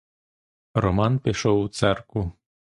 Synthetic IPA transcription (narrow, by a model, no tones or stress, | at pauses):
ɾɔmɑnpɪʃɔwut̪sɛrku